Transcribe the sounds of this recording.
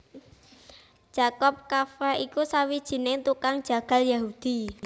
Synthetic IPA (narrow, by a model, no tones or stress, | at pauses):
d̥ʒ̥a̤kɔp̚kafɾaikusawid̥ʒ̥i̤nɪŋt̪ukaŋd̥ʒ̥a̤ɡ̥a̤ljaɦud̪̥i̤